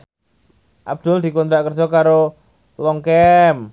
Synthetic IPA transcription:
ʔab̚d̪̥ʊld̪i̤kɔnt̪ɾakərd͡ʒɔkaɾo | lɔŋkɛm

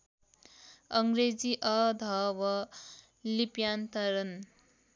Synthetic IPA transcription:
ʌŋɡɾed͡ziʔʌd̪ʱʌwʌ | lipjant̪ʌɾʌn

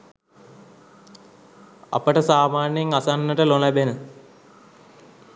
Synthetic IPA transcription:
ɐ̰pəʈəsaːmaːnjeŋasanːəʈəlolɐbenə

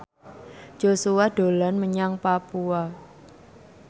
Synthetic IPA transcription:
d͡ʒ̥osuwad̥o̤lanməɲaŋpapua

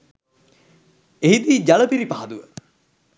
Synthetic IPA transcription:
eɦid̪iːd͡ʒaləpiɾipaɦad̪uʋə

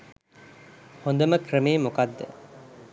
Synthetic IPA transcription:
hond̪əməkrəmeːmokad̪ːə̰

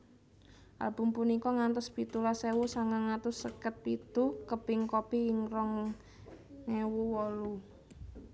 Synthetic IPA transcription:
ʔa̰lb̥ʊmpunikɔŋant̪ɔspit̪ulasewusaŋaŋat̪ʊsːəkət̪̚pit̪ukəb̥ɪŋkɔpiɪŋrɔŋː | ewuwɔlu

